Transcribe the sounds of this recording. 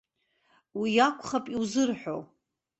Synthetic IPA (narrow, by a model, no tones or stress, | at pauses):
wijakʷʰʼχapʼiwzɨrħʷᶣo̰w